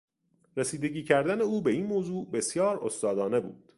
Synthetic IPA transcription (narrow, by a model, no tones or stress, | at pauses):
ɾesiːd̪e̞ɟiːcʰæɾd̪æne̞uːbe̞iːnmoːzuːbe̞sjɒːɾost̪ɒːd̪ɒːne̞bṵːd̪̥